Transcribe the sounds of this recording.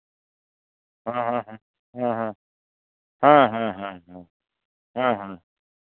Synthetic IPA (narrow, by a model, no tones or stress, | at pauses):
ɦãɦãɦã | ɦãɦã | hãɦãɦãɦã | ɦãɦã